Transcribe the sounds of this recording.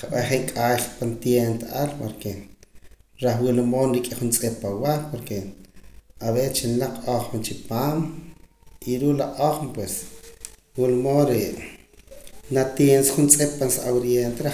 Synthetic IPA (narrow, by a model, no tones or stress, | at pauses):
qaɓaχeŋkʼaːɬpant̪jent̪aʔalpaɾke | ɾaχwulumoːnɾikʼiχunt͡sʼepːawapoɾke | aβet͡ʃinlaq͡χoχmt͡ʃipaːm | iɾuːlaʔoχmpwes | wulmoːnɾe | nat̪jensaχunt͡sʼep̚pːansaʔawɾjent̪eɾa